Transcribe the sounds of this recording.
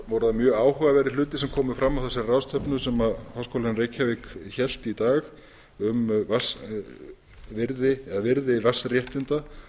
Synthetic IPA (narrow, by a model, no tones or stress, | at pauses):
vowɾʏðamjœːɣaːwhʏɣavɛɾɪl̥ʏːt̪ɪ̥sɛmkʰɔːmʏfɾamːawθɛsːɪrawst̪ʰœpnʏsɛmaðhawskowlanreːjcʰːavɪkçɛl̥t̪it̪aːx | ʏmvas | vɪɾðɪɛðavɪɾðɪvasrjɛht̪ɪnt̪a